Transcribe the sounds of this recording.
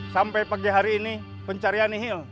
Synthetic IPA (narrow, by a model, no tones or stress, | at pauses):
sampɛpaɡiɦaɾiːni | pəɲt͡ʃaɾianiɦil